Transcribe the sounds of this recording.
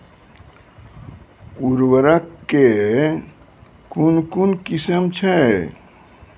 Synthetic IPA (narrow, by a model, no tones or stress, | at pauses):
uɾwəɾəkːe | kunkunkisəmt͡ʃʰɛ